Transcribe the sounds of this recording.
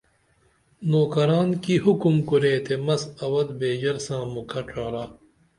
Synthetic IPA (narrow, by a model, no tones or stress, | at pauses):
noːkɐɾaːnkihukumkuɾeːt̪ʰemɐsɐwɐd̪beːd͡ʑɐɾsãːmukʰɐʈ͡ʂʰaːɾaː